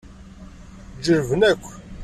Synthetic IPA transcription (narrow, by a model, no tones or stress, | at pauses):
d͡ʒəɾvnækʷː